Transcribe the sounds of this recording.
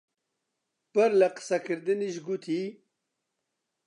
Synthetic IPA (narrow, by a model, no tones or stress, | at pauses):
pəɾlɐqə̥sakɨɾd̪ɨniʒɡut̪ʰi